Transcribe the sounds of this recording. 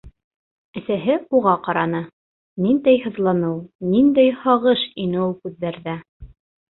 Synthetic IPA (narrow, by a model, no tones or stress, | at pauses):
ɘ̆sæɦɘuʁɑqɑɾɑnɤ | nind̪æjhɤ̆ðlˠɑnɤwnind̪æjhɑʁɤʃinɘulˠkʉðːæɾðæ